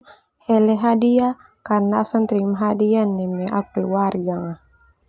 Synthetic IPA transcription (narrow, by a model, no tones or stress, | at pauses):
hɛlɛɦadia | karnaːsant̪ɾimaɦadianːɛmɛʔa̰k̚uluwarɡaŋa